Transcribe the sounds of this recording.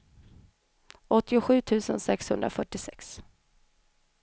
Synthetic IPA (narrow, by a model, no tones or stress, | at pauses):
ʔɔt̪ːɪʊɧʉ̟ːt̪ʰʉ̟ːsə̰nsɛkshɵnd̪ɾa̰fœʈːɪsɛks